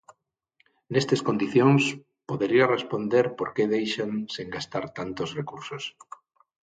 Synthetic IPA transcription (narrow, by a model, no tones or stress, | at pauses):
nest̪eskond̪iθjõŋs | poðeɾiarespond̪eɾpoɾkeðejʃaŋseŋɡast̪aɾt̪ant̪osrekuɾsos